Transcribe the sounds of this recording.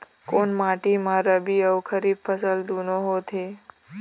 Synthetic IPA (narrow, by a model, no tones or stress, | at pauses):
koɳmaʈimãɾəbiəwkʰəɾifʰəsəld̪unoɦot̪ʰe